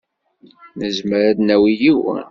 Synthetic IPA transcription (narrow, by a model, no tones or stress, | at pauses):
nəzməɾæd̪næwijiwə̰